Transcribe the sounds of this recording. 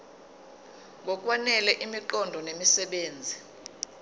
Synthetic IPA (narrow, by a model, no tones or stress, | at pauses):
ŋɡʱɔk̬ʼwanɛlɛʔimiǃɔndʱɔnemisɛɓeːnd͡zʱi